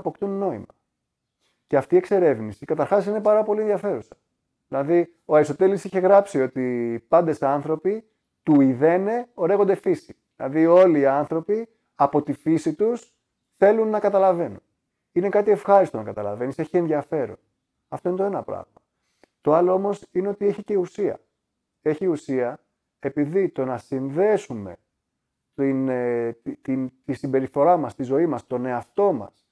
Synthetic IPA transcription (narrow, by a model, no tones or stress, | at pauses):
po̞kt̪unːo̞ḭmɐ | ce̞ɐft̪ie̞kse̞ɾe̞vnisikɐt̪ɐɾxɐsine̞pɐɾɐpo̞lienðjɐfe̞ɾusɐ̥ | ðilɐði | oɐɾist̪o̞t̪e̞lisiçe̞ɣɾɐpsio̞t̪ipɐnd̪e̞sɐnθɾo̞pi | t̪uiðe̞ne̞o̞ɾe̞ɣo̞nd̪efisi̥ðilɐ̰ðio̞liːɐnθɾo̞pi | ɐpo̞t̪ifisit̪us | θe̞lunːɐkɐt̪ɐlɐve̞nun | ine̞kɐt̪ie̞fxɐɾist̪o̞nɐkɐt̪ɐlɐve̞nise̞çienðiɐfe̞ɾo̞̰n | ɐft̪o̞inet̪o̞e̞nɐpɾɐ̰ɣmɐ | t̪oɐlo̞o̞mo̞sine̞ot̪ie̞çice̞usiɐ̰ | e̞çiusiɐ | e̞piðit̪o̞nɐsinðe̞sume̞̰ | t̪in | t̪int̪isimbe̞ɾiθo̞ɾɐmɐst̪izo̞imɐst̪o̞ne̞ɐft̪o̞mɐ̰s